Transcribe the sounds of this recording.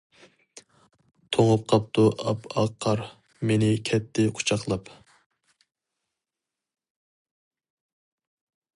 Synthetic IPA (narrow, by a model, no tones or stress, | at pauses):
t̪ʰoŋəp̚qʰɑp̚t̪ʰuʔɑpʰɑqʰːɑɾ | menɪkʲʰɛt̪ʰːɪqʰu̥t͡ʃʰɑqlˠɑp